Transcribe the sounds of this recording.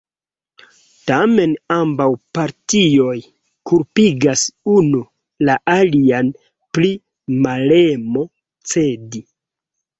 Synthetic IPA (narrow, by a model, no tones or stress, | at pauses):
tame̞nambawpaɾtio̞j | kuɾpiɡasunu | laʔalian | pli | male̞mo̞ | t͡se̞di